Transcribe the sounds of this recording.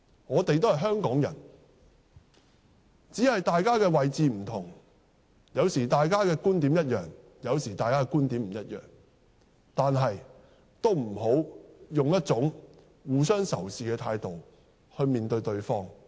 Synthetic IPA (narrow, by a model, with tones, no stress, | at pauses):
ŋɔː˨˧t̪e˨jt̪o˥whɐ˨jɦœː˥ŋkɔː˨˥ŋjɐ̰˨˩n | t͡siː˨˥hɐ˨jt̪aː˨jkaː˥kɛː˧wɐ˨jt͡siː˨m̩˨˩t̪ʰʊ˨˩ŋ | jɐ˨˧wsiː˨˩t̪aː˨jkaː˥kɛː˧kuː˥nt̪iː˨˥mjɐ˥t̚jœː˨˩ŋ | jɐ˨˧wsiː˨˩aː˨jkaː˥kːkuː˥nt̪iː˨˥m̩˨˩jɐ˥t̚jœ̰ː˨˩ŋ | t̪aː˨nɦɐ˨j | t̪o˥wm̩˨˩ɦo˨˥wjʊ˨ŋjɐ˥t̚t͡sʊ˨˥ŋ | wuː˨˧sœː˥ŋsɐ̰˨˩wsiː˨˩kɛː˧t̪ʰaː˧jt̪o˨w | hɵ˧ɥmiː˨nt̪ɵ˧ɥt̪ɵ˧ɥfɔː˥ŋ